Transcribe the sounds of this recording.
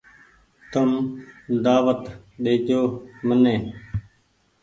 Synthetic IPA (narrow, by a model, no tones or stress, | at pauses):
t̪əmd̪aːʋət̪ɗeːt͡ʃoːmənẽː